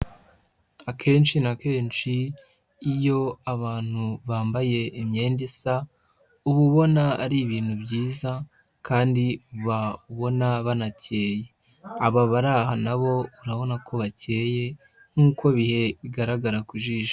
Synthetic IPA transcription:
akʰe̞ːnʃinake̞ːnt͡ʃiː | jo̞aβaːn̥huβaːmbaje̞imɲe̞ːndesa | uβuβo̞naːɾiβiːn̥hubɟiːza | kʰaːndiuβauβo̞naβanace̞ːje̞ | aβaβaɾahanaβo̞uɾaβo̞nakʰo̞βace̞ːje̞ | ŋ̥uːkʰo̞βihe̞βiɡaɾaɡaɾakuʒiʒḁ

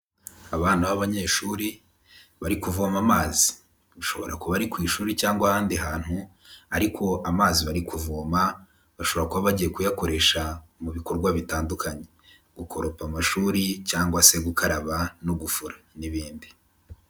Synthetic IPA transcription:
aβaːn̥huβaβaɲe̞ʃuːɾi | βaɾikuvomamaːzi | βaʃo̞̰βo̞̰ɾa̰kuβaɾikwiːʃuːɾicaːŋɡwahaːndiɦaːn̥hu | aɾikʰo̞ʔamaːziβaɾikuvoːma | βaʃo̞βo̞ɾakuβaβaɟije̞kujako̞ɾe̞ʃamuβiko̞ɾɡwaβitaːndukʰaɲe | ɡ̥ukʰo̞ɾo̞pamaʃuːɾicaːŋɡwase̞ɡukʰaɾaβanoɡufuɾaniβiːndi

